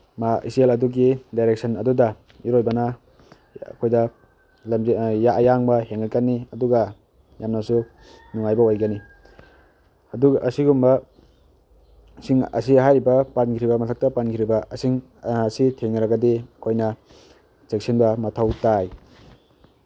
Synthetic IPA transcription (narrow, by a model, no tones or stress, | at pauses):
maḭselɐduɡidajɾek̚sɐnɐduda | iɾojbana | kʰojdɐ | lmjajaŋbaheŋakanːiɐduɡa | jamnasu | nuŋajbaojɡani | ɐduɡɐsiɡumba | siŋɐ̰siaɦajɾibɐpankʰiɾibɐmɐtʰak̚tapankʰiɾibaɐsiŋː | sitʰeŋaɾaɡadikʰojnɐ | t͡ʃek̚sinbɐmatʰawtaj